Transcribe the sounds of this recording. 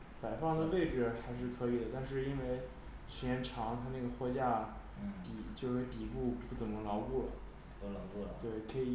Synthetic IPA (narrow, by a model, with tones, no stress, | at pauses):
pa˨˩ɪfɑ˥˩ŋd̪ə˩pe˥˩ɪʈ͡ʂɻ̩˨˩xa˧˥ɪʂ̬ɻ̩˥˩kʰɤ˧˥i˨˩d̪ə˦t̪a˥˧nʂ̬ɻ̩˥˧i˥nwe˥˧ɪ | ɕjɛ˧˥nʈ͡ʂʰɑ˧˥ŋt̪ʰa˥na˥˩ɡə˩xwɔ˥˧t͡ɕja˥˩ | pi˨˩t͡ɕjo˥˧ʂɻe˥˩pi˨˩pu˥˧pu˥˩t͡sə˨˩ŋnə˧˥ŋlɑ˧˥ʊku˥˩lə̰˩ | lkt̪we˥˩ɪkʰɤ˧˥i˨˩